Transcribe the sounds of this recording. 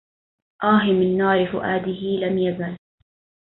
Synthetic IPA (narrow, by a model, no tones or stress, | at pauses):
ʔaːɦɪmɪnːɑːɾɪfʊ̰ʔaːd̪ɪɦɪlamjazal